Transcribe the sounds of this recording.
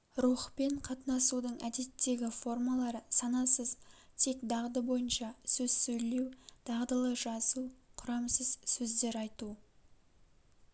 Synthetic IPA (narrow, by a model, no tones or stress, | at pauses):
ɾuχpe̞ɴqʰɑt̪nɑsud̪əɴʔæd̪e̞t̪ʰːe̞ɡʲɪfo̞rmɑlˠɑɾəsɑnɑsəzt̪ʰe̞kd̪ɑʁd̪əbo̞jənʃɑsɵz̥sɵjle̞wd̪̥ɑʁd̪əlˠəʒɑsuqʰʊɾɑmsəzsɵzd̪e̞ɾɑjt̪u